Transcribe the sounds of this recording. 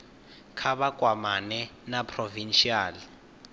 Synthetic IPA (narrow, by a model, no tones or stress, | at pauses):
kʰaβakʼwamanɛnapʰʼrovinʃiaːli